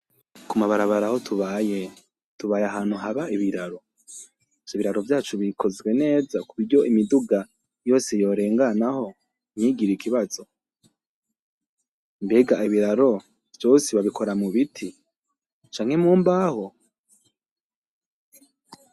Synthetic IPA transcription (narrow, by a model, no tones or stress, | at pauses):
kumaβaɾaβaɾaho̞tuβaje | tuβaːjaɦaːn̥huɦaβaiβiɾaɾo̞ | oβiɾaɾo̞vjaːt͡ʃuβikʰo̞zɡwe̞ne̞ːzakuβiɾɟo̞ʔimiduɡa | jo̞ːse̞jo̞ɾe̞ːŋɡanaho̞ | mɲiːɡiɾikʰiβazo̞ | mbeːɡaiβiɾaɾo̞ | v̥jo̞ːseβaβikʰo̞ɾamuβitʰi | t͡ʃaːŋ̥he̞muːmbaho